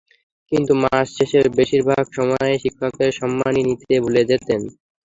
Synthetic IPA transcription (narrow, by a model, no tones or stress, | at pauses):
kint̪umasʃeʃeɾbeʃiɾbʱaɡʃɔmɔeʃikʰːakeɾʃɔmːaninit̪ebuled͡ʑet̪en